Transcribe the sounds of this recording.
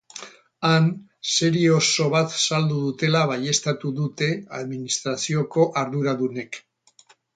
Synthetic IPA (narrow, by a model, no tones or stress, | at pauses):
an | se̞ɾioso̞β̞at̪sald̪uðut̪e̞laβaje̞st̪at̪uðut̪e̞a̰ðminist̪ɾasioko̞ʔaɾðuɾaðune̞k